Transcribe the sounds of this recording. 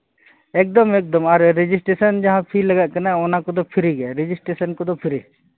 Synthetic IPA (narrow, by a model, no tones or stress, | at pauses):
ek̚d̪ɔmek̚d̪ɔmaɾːed͡ʒisʈɾesənd͡ʒɐɦãpʰilɐɡaʔkənaɔnakod̪opʰiɾiɡɛɾed͡ʒisʈɾesənkod̪opʰiɾe